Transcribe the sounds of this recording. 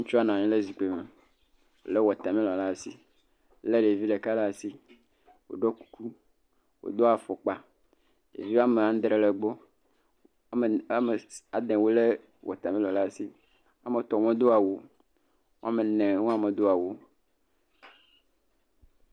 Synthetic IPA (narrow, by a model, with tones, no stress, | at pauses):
ŋ̩̃˦t͡ʃu˦a˦nã˨ɲĩ˦le˦zi˨k͡pe˨me˨ | wo̰˨le˦wɔ˨t̪a˨mĩ˦lɔ˨la˦˨si˦ | le˦ɖe˨vi˦ɖe˨ka˦la˦˨si˦ | wo̰˨ɖɔ˦ku̥˦ku˦ | wo̰˨d̪o˦a˨fo˨k͡pa˦ | ɖḛ˨vi˦wa˦me˨ã˦ŋ˦d̪ɾe˨le˨ɡ͡bo˦˨˦ | me˨a˨d̪ẽ˨wo˦le˦ | wɔ̰˨t̪a˨mĩ˦lɔ˨la˦˨si˦ | a˨me˨t̪ɔ˨mɔ̃˦d̪o˦a˨wo˦ | ŋ˦a˦me˨nɛ̃˨ŋũ˦a˦me˨d̪o˦a˨wo˦